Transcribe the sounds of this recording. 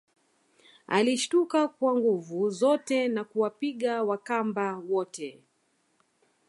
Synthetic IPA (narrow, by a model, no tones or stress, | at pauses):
a̰liʃtukakwaŋɡuvuzɔtɛnakuwapiɠawakambawɔtɛ